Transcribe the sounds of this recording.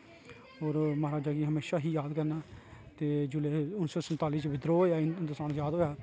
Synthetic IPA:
oːɾməɦaɾaːd͡ʒaːɡiːɦəmeːʃaːɦiːjaːd̪kəɾnaːt̪eːd͡ʒʊleːʊnsoːsənt̪aːliːt͡ʃəbɪd̪ɾoːaːɪnt̪ʊsaːnjaːd̪ɦoːjaː

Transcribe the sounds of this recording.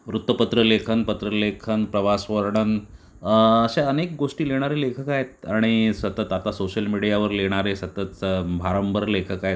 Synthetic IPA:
ʋɾut̪ʋəpət̪ɾəlekʰənpət̪ɾəlekʰənpɾəʋasʋəɾɳən | əɕaənek̚ɡoʂʈiːleɽ̃aɾelekʰəkajet̪̚aɽ̃isət̪ət̪at̪asoɕəlmiɽijaʋəɾleɽ̃aɾesət̪ət̪bʱaɾəmbəɾlekʰəkaɦet̪̚

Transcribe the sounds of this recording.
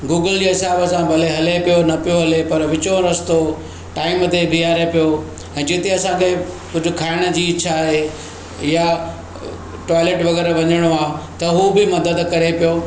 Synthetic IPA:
ɡuːɡəld͡ʑiːɦɪsaːbsãbʱɐleɦɐlepijonɐpijoɦɐlepɐɾʋɪt͡ɕõɾɐst̪o | ʈaːɪmət̪ebʱiaːɾepijo | ɛ̃ːd͡ʑɪt̪eɐsãkʰe | kʊd͡ʑʱʊ̆kʰaːɪɽ̃əd͡ʑiːt͡ɕʰaːɦe | ja | ʈɔːɪleːʈʋɐɣɛːɾʋɐɲəɽ̃oaːɦet̪ɐɦubɪmɐd̪əd̪kɐɾepijoː

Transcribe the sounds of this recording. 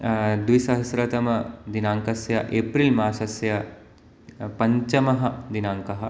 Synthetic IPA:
d̪ʋisɐɦɐsɾɐt̪ɐmɐd̪inaːŋkɐsjɐʔeːpɾilmaːʃɐsjɐ | pɐɲt͡ʃɐmɐɦɐd̪inaːŋkɐɦɐ

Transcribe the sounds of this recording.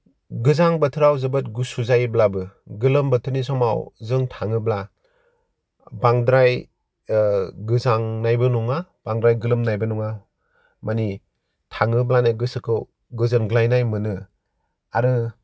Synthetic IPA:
ɡɯzaŋbɐtʰɯɾawzɯbɯt̚ɡusuzajblabɯɡɯlɯmbɐtʰɯɾnis̬ɔma̰wzɯŋtʰaŋɯbla | baŋdɾaj | ɡɯzaŋnajbɯnɔŋab̥aŋdɾajɡɯlɯmnajbɯnɔŋa | mani | tʰaŋɯblanɯɡɯsɯkʰɯw | ɡɯzɯnɡɯlajnajmɯnɯ | aɾɯ

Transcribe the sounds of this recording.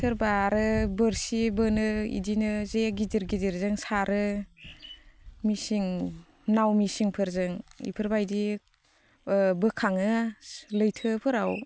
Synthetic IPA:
tʰɯɾbaɾɯbɯɾsibɯnɯḭdinɯzeɡidiɾɡidiɾzɯŋsaɾɯ | misiŋ | nawmisiŋpʰɯɾzɯŋḭpʰɯɾbajdi | bɯkʰaŋɯlɯjtʰɯpʰɯɾaw

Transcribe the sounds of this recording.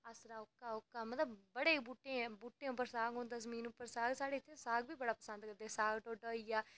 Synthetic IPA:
əsɾaːʊkːaːʊkːaːmət̪ləbbəɽeːbuːʈːẽːɛ̃buːʈːẽːʊp̬ːəɾsaːɡoːnd̪azəmĩːnʊpːəɾsaːɡsaːɽeːɪt̪ʰːeːsaːɡbiːbəɽaːpəsə̃nd̪kəɾd̪eɛːsaːɡʈoːʈoːiːaː

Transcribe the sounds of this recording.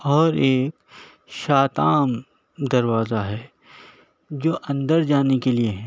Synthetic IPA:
ɔːɾeːk | ʃaːt̪aːm | d̪ɐɾʋaːzaɦɛː | d͡ʒoːʔɐ̃nd̪əɾd͡ʒaːnekelieɦɛ̃ː

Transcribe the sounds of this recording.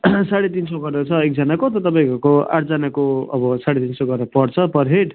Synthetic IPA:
saɽet̪insʌɡʌɾʌt͡sʰʌek̚d͡zʌnakot̪ʌt̪ʌpaj̃kkoa̰ʈʰd͡zanakoʌbʌsaɽet̪insʌɡʌɾʌpʌɽt͡sʰʌpʌɾɦeʈ

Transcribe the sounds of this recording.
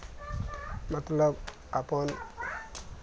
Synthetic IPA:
mat̪lab̚ | apɔn

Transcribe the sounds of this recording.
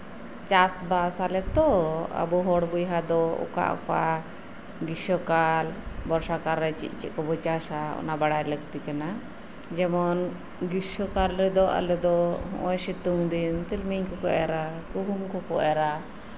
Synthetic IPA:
t͡ʃasbasalɛt̪ɔə̰bɔɦɔɽbujɦad̪ɔɔ̰ka̰ʔkɔʔa | ɡisɔkalbɔɾsakaɾːɛt͡ʃḭʔ̪̚ˀt͡ʃḭʔ̪̚kɔbɔt͡ʃasaɔ̰nabaɽajləɡ̚t̪ikana | d͡ʒɛmɔn | ɡisɔkalɾɛd̪ɔʔa̰lɛd̪ɔɦɔ̰̃ʔɔ̃jsit̪uŋd̪int̪ilmiɲkɔkɔʔɛɾakuɦumkɔkɔʔɛɾa

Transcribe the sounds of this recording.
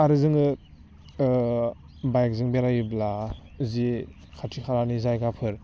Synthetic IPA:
aɾɯzɯŋɯ | bajk̚zɯŋbeɾajɯblazi | kʰatʰikʰaɾanizajɡapʰɯɾ

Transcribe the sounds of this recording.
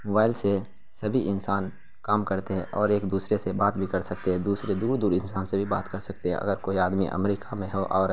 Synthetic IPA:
moːbaːɪlse | sɐbʱiʔɪnsaːn | kaːmkəɾt̪eɦɛ̃ʔɔːɾeːkd̪uːsɾesebaːt̪bʱikɐɾsɐkt̪eɦɛ̃d̪uːsɾed̪uːɾd̪uːɾɪnsaːnsebʱibaːt̪kəɾsɐkt̪eɦɛ̰̃ʔɐ̰ɡəɾkoːiaːd̪mḭʔə̰mɾiːkʰamẽɦoʔɔːɾ

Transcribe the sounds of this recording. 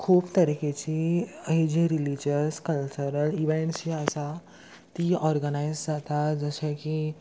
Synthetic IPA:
kʰuːbt̪əɾiket͡ɕiəɦid͡ʑiɾilid͡ʑəskəlt͡ɕəɾəliʋẽɳʈsiəsa | t̪iɔɾɡənajzd͡zat̪ad͡zəɕeki

